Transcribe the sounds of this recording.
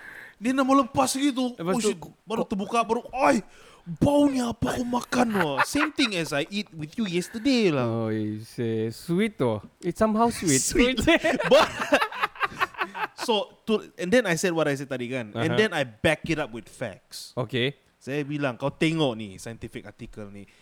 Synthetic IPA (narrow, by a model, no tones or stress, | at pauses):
dɛnamaləmpasɡit̪̬uʃibaɾut̪əbukabaɾuaj | bawniapakomakanɔsẽmt̪ĩŋɛsajʔit̚wiθjujɛst̪ədelaoiseswitɔitsãmɦawswitwitbat | sot̪uɛ̃ndɛ̃najsɛd̚wɔɾajs̬ɛd̚t̪adikãnɛ̰̃ndɛ̃najbɛkitap̚wit̪fɛ̰ksoke | sabilãŋkawt̪ɛ̃ŋɔnḭsajə̃ntifik̚atikəlnḭ